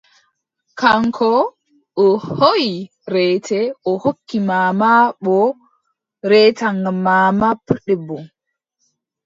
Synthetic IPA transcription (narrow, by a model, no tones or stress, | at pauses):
kaŋkʰɔ | ɔhoji | ɾɛːtʰɛʔɔhokːimaːmaɓɔ | ɾɛtaŋɡamaːmapuɗɛbːɔ